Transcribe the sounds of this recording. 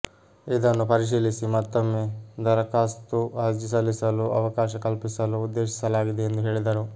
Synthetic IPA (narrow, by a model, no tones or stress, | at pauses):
id̪ɐnːupɐɾiʃ̬iːlisimaːt̪ːɐmːeːd̪ɐɾɐkaːst̪uɐd͡ʒisɐlisɐluɐʋɐkaːʃɐkɐlpisɐluːd̪ːe̞ːʃi̥sɐlaːɡid̪eend̪uɦeːɭid̪ɐɾu